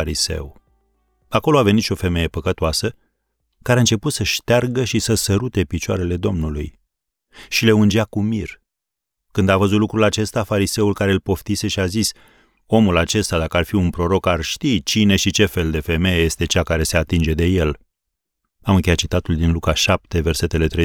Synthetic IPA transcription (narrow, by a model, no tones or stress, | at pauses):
aɾise̞̰w | ako̞lo̞ave̞nit̪ʃio̞fe̞me̞je̞pəkət̪oasə | kaɾeaɨnt͡ʃe̞put̪səʃt̪earɡəʃisəsəɾut̪e̞pit͡ʃoaɾe̞le̞d̪o̞mnuluj | ʃileund͡ʒeakumir | kɨnd̪avəzut̪lukɾulat͡ʃe̞st̪afaɾise̞ulkaɾe̞lpo̞ft̪ise̞ʃiazis | o̞mulat͡ʃe̞st̪ad̪akəarfiunpɾo̞ɾo̞karʃt̪it͡ʃine̞ʃit͡ʃe̞fe̞ld̪e̞fe̞me̞jeje̞st̪e̞t͡ʃakaɾe̞se̞at̪ind͡ʒe̞d̪e̞je̞l | amɨnŋkʲeat̪t͡ʃit̪at̪uld̪inlukaʃap̚t̪e̞ve̞rse̞t̪e̞le̞t̪ɾe